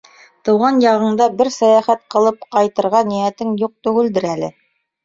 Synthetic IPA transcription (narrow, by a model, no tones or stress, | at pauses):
t̪ɤ̆wʁɑnjɑʁɤ̆ɴd̪ɑbɘɾsæjæχæt̪̚qɤ̆lˠɤpqɑjt̪ɤ̆ɾʁɑnijæt̪ɘŋjuq̚t̪ɵɡɘld̪ɘɾælɘ̰